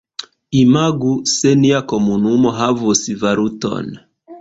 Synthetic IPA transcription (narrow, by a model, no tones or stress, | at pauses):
imaɡusɛniakɔmunumɔɦavusivaɾutɔ̰n